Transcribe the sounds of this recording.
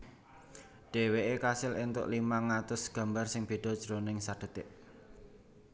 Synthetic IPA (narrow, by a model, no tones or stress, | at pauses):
ɖ̥e̤weʔekasɪlɪnt̪ʊ̰ʔlimaŋːat̪ʊsɡ̥ä̤mbarsɪŋb̥i̤ɖ̥ɔ̤d̥ʒ̥ɾonɪŋsaɖ̥ə̤t̪ɪʔ